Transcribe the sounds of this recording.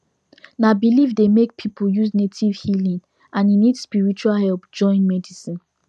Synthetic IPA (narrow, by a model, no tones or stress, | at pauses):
nabilivdemek̚pʰipʰujuznetʰivhilĩŋ | ʔãnĩnidspiɹit͡ʃualhɛlpd͡ʒɔ̃ɪ̃nmɛdisĩn